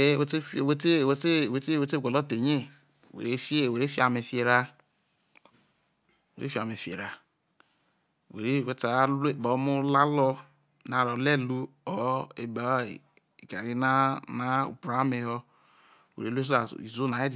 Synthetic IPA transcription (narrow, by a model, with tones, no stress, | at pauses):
e˦e˦˨we˦te˦˨we˦te˦˨we˦te˦we˦te˦˨ɡʷe˨lo˦te˨ɲe˦˨ | wḛ˨e˦fi˦e˦˨we˨ɾe˦fi˦a˨me˨fe˨ɾa˦˨ | ḛ˨ɾe˦fa˨m˨e˨fḛ˨ɾa˨ | wḛ˨ɾe˦˨we˦ta˨˦e˦˨ba˨˦mu˦la˦lɔ˦ | na˨ɾo˨le˦lu˦o˦e˨ba̰˨˦˨ | i˨ka˨ɾi˦na˦na˦ṵ˨pɾa˦me˨ɦo˦˨ | wḛ˨ɾe˦le˦s̬a̰˨i˨zu˦na˨e˦d